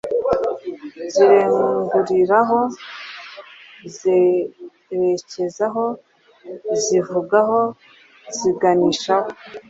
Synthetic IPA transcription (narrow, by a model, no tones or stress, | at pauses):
ziɾeŋɡuɾiɾaɦo̞ | ze | ɾece̞zaɦo̞ | zivuɡaɦo̞ | z̥iɡaniʃaho